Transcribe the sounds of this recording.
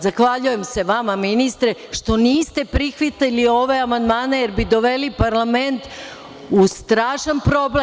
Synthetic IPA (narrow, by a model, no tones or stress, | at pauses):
zaxʋaʎuje̞mse̞ʋamaminist̪ɾeʃt̪o̞niːst̪e̞pɾixʋit̪elio̞ʋe̞amand̪maːne̞je̞ɾbid̪o̞ʋe̞lipaɾlˠame̞nt̪ | ust̪ɾaːʃanpɾo̞ble